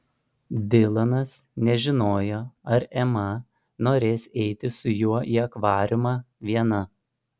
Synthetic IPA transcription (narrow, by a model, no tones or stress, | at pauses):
d̪ʲɪlˠɐnɐsnʲɛʒʲɪnoːjoːɐɾɛmɐ | noːɾʲeːsɛɪt̪ʲɪsʊjuɔʔiːɐkʋɑːɾʲɪmɑː | ʋʲiɛnɐ